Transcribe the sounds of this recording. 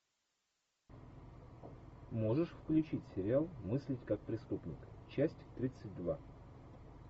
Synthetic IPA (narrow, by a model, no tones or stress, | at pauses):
mo̞ʐɨʂfklʲʉt͡ɕitʲsʲɪɾʲɪalˠmɨsʲlʲɪtʲkak̚pɾʲɪst̪upnʲɪkt͡ɕæsʲtʲkt̪ɾʲit̪sɨt̚ʲd̪va